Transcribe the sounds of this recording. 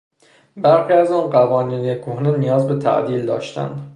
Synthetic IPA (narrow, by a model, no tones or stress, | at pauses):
bæɾxiːæzɒnɢævɒːniːnekʰohnenijɒːzbet̪ʰæ̰ʔd̪ild̪ɒ̰ʃt̪ʰæ̰nd̪